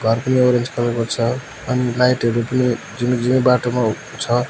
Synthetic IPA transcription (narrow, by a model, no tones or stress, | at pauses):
ɡʱʌrpʌnioɾend͡zkʰʌlkot͡sʰʌ | ʌnilajʈɦʌɾupʌni | d͡zind͡zinʌbaʈoma | t͡sʰʌ